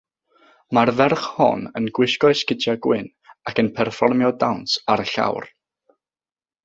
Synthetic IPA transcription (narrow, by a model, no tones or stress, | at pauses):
marvɛrχhɔ̰nənɡwɪʃkɔɨskɪdjaɡwɪn | akənpʰɛrfɔrmjɔdawnsaɾəɬa̰wr